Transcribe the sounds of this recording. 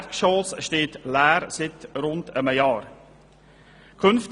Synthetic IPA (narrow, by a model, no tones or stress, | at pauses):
kʃɔːlsʃteːtlæːɾsɪtɾʊntəməjɑːɾ | kʰʏnft